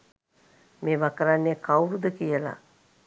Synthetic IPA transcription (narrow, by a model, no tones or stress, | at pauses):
meːʋakəɾanːekawɾud̪əkijəla̰